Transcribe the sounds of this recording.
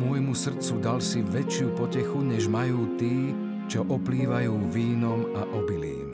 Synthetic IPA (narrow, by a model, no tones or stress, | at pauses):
mʊɔjmusr̩t͡sud̪alsiʋɛt͡ʃɪupɔcɛxuɲɛʒmajuːt̪iː | t͡ʃɔʔɔpliːʋajuːʋiːnɔmaʔɔbilḭːm